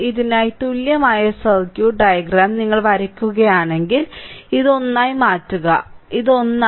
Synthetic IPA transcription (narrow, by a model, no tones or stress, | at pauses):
iðinaːjit̪uljɐmaːjɐsɐlkjuːɖɐjɐɡɾaːmniŋːɐɭʋɐɾɐkʲːuɣɐjaːɳe̞ŋɡiliðo̞nːaːjimaːtːuɣɐiðo̞nːa